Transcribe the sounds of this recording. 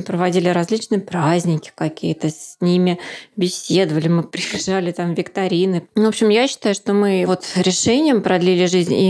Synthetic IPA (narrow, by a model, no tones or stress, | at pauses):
ɨpɾəvɐdʲilʲɪɾɐzʲlʲit͡ɕnɨjəpɾazʲnʲɪkʲɪ̥kɐkʲijɪt̪əsʲnʲimʲɪbʲɪsʲːed̪əvəlʲɪmɨpɾʲɪbʲɪʐalʲɪt̪amvʲɪkt̪ɐɾʲinɨvo̞pɕɪmjaɕːɪ̥t̪ajʊʂt̪o̞mɨvo̞t̪ɾʲɪʂɛnʲɪjəmpɾɐd̪lʲilʲɪʐɨzʲnʲḭ